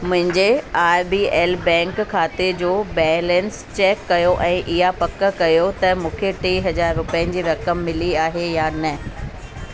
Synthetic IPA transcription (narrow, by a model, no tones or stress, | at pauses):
mʊ̃ɦɪ̃ɲd͡ʑeaːɪbiːɛːlbɛ̃ːŋkkʰːaːt̪ed͡ʑoːbɛːlɛ̃nst͡ɕɛːkːɐjoʔɛ̃ːʔɪɦapɐkə̆kɐjot̪ɐmũːkʰeʈiːɦɐzaːɾːʊpɛənɪ̆d͡ʑiːɾɐkəmːɪliaːɦejanɐ